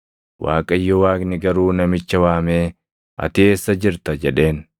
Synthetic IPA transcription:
wa̰ːkʼɐɪjːɔwaːknɪɡɐɾuːnɐmɪt͡ʃːɐwaːmeː | ʔɐ̰t̪ɪeːsːɐd͡ʒɪɾt̪ɐd͡ʒɛᶑe̞ːn

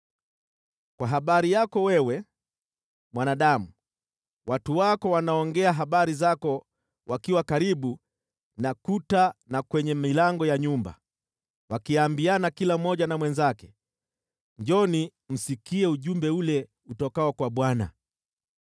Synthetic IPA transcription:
kwaɦaɓaɾijakɔwɛwɛ | mwanaɗamu | watuwakɔwanaɔŋɡɛaɦaɓaɾizakɔ | wakiwakaɾiɓu | nakutanakwɛɲɛmilaŋɡɔjaɲumba̰ | wakiambianakilam̩ːɔʄanamwɛnzakɛ | ɲd͡ʒɔnim̩sikiɛuʄumbɛulɛ | utɔkaɔkwaɓwana̰

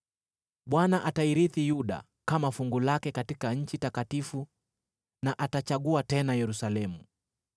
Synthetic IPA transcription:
ɓwanaʔataiɾiθijuɗa̰ | kamafuŋɡulakɛkatikaɲ̩t͡ʃitakatifu | naʔatat͡ʃaɠuatɛnajɛɾusalɛmu

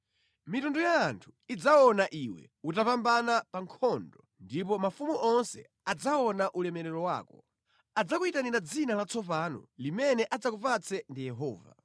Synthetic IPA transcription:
mitɔndɔjaːntʰu̥id͡zaɔnaʔiwɛ̰ | utapambanapaŋkʰɔndɔndipɔmafumuʔɔnsɛ̰ | ad͡zaɔnaʔulɛmɛɾɛɾɔwa̰ːkɔ | ad͡zakuitaninad͡zinalat͡sʰɔpanɔ̰limɛnɛʔad͡zakupat͡sɛndijɛɦɔːva̰

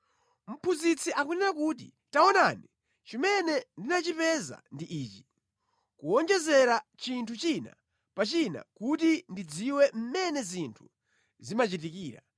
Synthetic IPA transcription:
m̩pʰuzit͡sʰiʔakunɛɾakut̬i | taɔnaːni | t͡ʃimɛnɛndinat͡ʃipɛza̰ndiʔiːt͡ʃi̥ | kuɔnd͡ʒɛzɛɾat͡ʃintʰut͡ʃina̰ | pat͡ʃina̰kutindid͡ziwɛm̩mɛnɛzintʰu | zimat͡ʃitikiːɾa̰

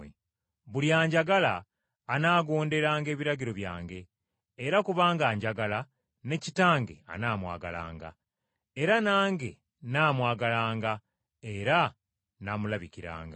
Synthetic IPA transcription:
e | βuljaːɲɟaɡalaː | naːɡo̞ːnde̞ɾaːŋɡe̞ːβiɾaɟiɾo̞βja̰ːŋɡe̞ː | ɾakuβaːŋɡaːɲɟaɡala | ne̞citaːŋɡe̞̰a̰naːmwa̰ːɡa̰la̰ːŋɡa̰ | e̞ɾanaːŋɡe̞ | naːmwaːɡalaːŋɡa | e̞ɾa | namulaβiciɾa̰ːŋɡa

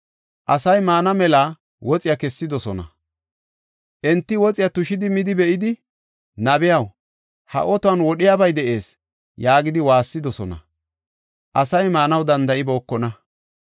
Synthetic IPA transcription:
ʔɐsɐjmaːnɐmɛlaː | wɔt͡sʼɪjakɛsːɪd̪ɔsɔnɐ̰ | ʔɛnt̪ːɪwɔt͡sʼɪjat̪ʊʃɪd̪ɪmɪd̪ɪbɛʔɪd̪ɪ | nɐbɪjɐw | hɐ̰ʔɔt̪ʊɐnwɔɗɪjabɐjd̪ɛʔe̞ːs | jaːɡɪd̪ɪwaːsːɪd̪ɔsɔnɐ̰ | ʔɐsɐjmaːnɐwd̪ɐnd̪ɐʔɪbo̞ːkːɔnɐ

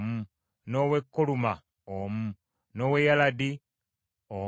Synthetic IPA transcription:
mu | noːwekːoluma | omu | noːwejaladi | o

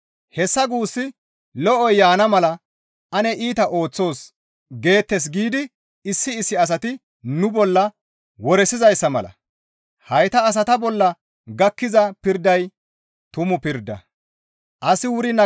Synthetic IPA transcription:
hɛsːɐɡuːsːɪ | lɔʔɔjːaːnɐmɐlɐ | ɐnɛʔiːt̪ɐʔo̞ːt͡sːo̞ːs | ɡe̞ːt̪ːɛs̬ɡiːd̪ɪ | ɪsːɪːsːɪɐs̬ɐt̪ɪ | nʊbɔlːɐ | wɔɾɛsɪzɐjsːɐmɐ̰lɐ̰ | hɐjt̪ɐːs̬ɐt̪ɐbɔlːɐ | ɡɐkːɪzɐpɪɾd̪ɐj | t̪ʊmʊpɪɾd̪ːɐ̰ | ʔɐsɪwʊɾɪnɐ

